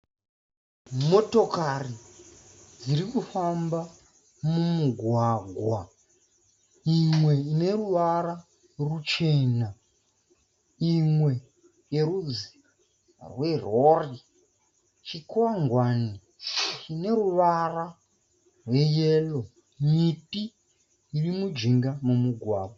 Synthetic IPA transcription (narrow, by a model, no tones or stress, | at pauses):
mo̞to̞kari | d͡zirikufamba | mumuɡʱwaɡʱwa | imwe̞ine̞ruʋara | rut͡ʃe̞ːna | imwe̞ | je̞ɾud͡zi̥ | rwerori | t͡ʃikaŋɡwani | t͡ʃine̞ruʋara | rwe̞jelo | miti | irimud͡ʒiŋɡamumuɡʱwaːɡʱwa